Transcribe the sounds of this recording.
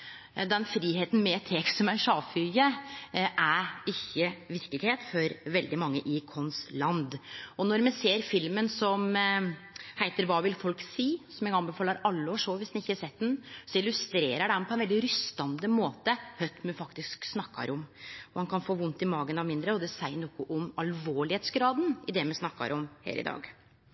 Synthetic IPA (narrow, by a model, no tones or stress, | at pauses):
d̪ɛnfɾiːheːt̪n̩mɛt̪ʰeːksɔmæɾʂɑːfyəʔæɾɪçːəʋɪɾkəlɪɡheːt̪fɔɾʋɛld̪ɪmɑŋːəʔɪkʰɔnslɑnd̪ɔnɔɾmɛseːɾfɪlmənsɔm | hæɪt̪əɾʋɑːʋɪlfɔlksiːsɔmjæɡɑnbəfɑːləɾɑlːəoːʂɔʋɪsd̪ɛnɪçːəhɑʂɛt̪̚ːd̪ɛnsɔɪlʉst̪ɾeːɾəɖɛnpʰɔɛnʋɛld̪ɪɾʏst̪ɑnd̪əmoːt̪əhœt̪mɛfɑkt̪ɪsksnɑkːɑ̰ɾʔɔmɔhɑnkʰɑnfoːʋʊnt̪ɪmɑːɡənɑmɪnd̪ɾəɔd̪ɛsæɪnɔkʊʔɔmɑlʋoːɭɪheːt̪sɡɾɑːd̪n̩ɪd̪ɛmɛsnɑkːɑ̰ɾʔɔmhæ̰ːɾɪ̰d̪ɑ̰ːɡ